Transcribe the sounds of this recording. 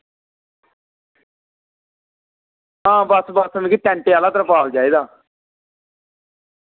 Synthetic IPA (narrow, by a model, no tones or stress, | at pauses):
ɦãːbəsbəsmẽːkiːt̪ɛ̃ːɳʈeaːlaːt̪əɾpaːld͡ʒaːiːd̪aː